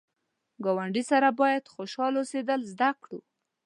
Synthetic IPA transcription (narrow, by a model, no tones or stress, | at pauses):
ɡɑwaɳɖisaɾabɑjad̪xoʃɑlosed̪əlzd̪akɽu